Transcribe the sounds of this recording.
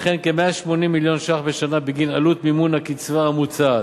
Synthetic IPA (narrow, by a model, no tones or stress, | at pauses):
χenkemeaʃmo̞nimːiljo̞nʃaχbeʃanabiɡinalut̪mimunhakit͡svaːmut͡sa